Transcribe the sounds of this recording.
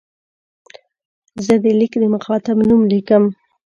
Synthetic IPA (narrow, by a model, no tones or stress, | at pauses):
zəd̪əlikd̪əmʊxɑt̪abnumlikəm